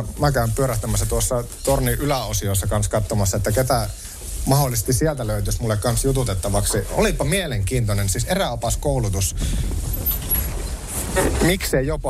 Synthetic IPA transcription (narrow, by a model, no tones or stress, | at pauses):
mækæympyøɾæht̪æmæsːæt̪uosːɑt̪orniʔylæosiosːɑkɑnskɑt̪ːomɑsːɑet̪ːæket̪æ | mɑholːˑisest̪issiælt̪æløyt̪ysmulːekkɑnsjut̪ut̪et̪ːɑʋɑksio̰lipːɑmieleŋkiːnt̪onensiseræopɑskoulut̪us | mikseijop